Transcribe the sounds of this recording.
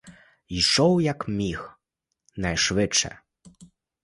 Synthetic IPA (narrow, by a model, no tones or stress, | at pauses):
iʂɔwjakmʲix | najʂʋɪt͡ʂɛ̰